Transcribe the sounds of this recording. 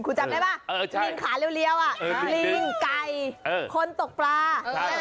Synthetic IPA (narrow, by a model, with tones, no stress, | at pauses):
kʰu˧˩t͡ɕa˨˩mda˦˧˩jbaː˧˥˩li˧ŋkʰaː˩˦li˧ə˨wli˧˥˩əwʔa˨˩˧li˧˩ŋka˧jːkʰo˧˥nt̪o˨˩k̚plaː˧